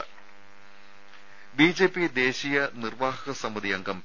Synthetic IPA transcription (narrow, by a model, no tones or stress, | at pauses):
biːd͡ʑe̞ːpːid̪e̞ːɕijɐnirʋaːɦɐɣɐsɐmud̪ijɐŋɡɐm